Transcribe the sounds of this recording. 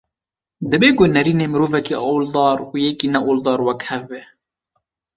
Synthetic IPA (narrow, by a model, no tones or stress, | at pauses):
d̪ɨbeːɡonɛɾiːneːmɨɾoːvɛkiʔɑwld̪ɑːɾujɛkiːnɛʔoːld̪ɑːɾwɛkhɛvbɛ